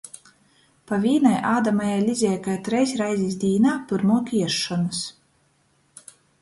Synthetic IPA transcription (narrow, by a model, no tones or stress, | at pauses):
pavʲiːnajʔaːd̪amajajlʲizʲɛjkajt̪ɾɛjsʲɾajzʲisd̪ʲiːnaːpɨɾmuɔkʲiɛʃːɔnɨs